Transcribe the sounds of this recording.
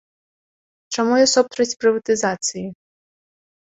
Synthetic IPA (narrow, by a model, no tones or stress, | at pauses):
t͡ʃɔmujɔsɔpt̪ɾɐsʲpɾɨvɐt̪ɨzat̪sɨji